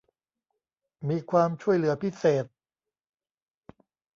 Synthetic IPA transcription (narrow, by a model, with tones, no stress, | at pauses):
miː˧kʰwaː˧mt͡ɕʰu˥˩əjlɯ˩˦ɐpʰi˦˥seː˨˩t̪̚